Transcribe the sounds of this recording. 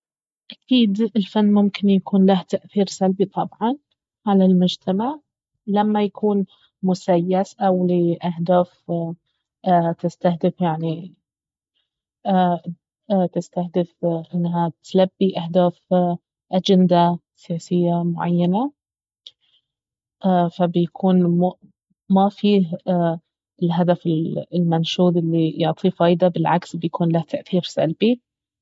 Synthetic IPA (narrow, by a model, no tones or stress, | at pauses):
ʔakiːd̪ɪlfanːmʊmkɪnjakuːnlaht̪aʔθiːɾsalbit̪ˤɑbʕɑn | ʕalalmʊd͡ʒt̪ʰamaʕ | lamːajakʰuːn | mʊsajːasʔawliʔahd̪aːf | t̪ɪst̪ahd̪ɪfjaʕni | t̪ɪst̪ahd̪ɪfʔɪnːɦat̪labːiʔahd̪aːf | ʔad͡ʒɪnd̪a | sɪjaːsɪjːamʊʕa̰jːana | ʔːfabjakʰuːnm | mafiːɦ | ɪlɦad̪afɪlɪlmanʃuːd̪ˤʔɪlːijʊʕt̪ˤʰifɑːjd̪abɪlʕa̰ksbɪjakuːnlaht̪ʰaʔθiːɾsa̰lbi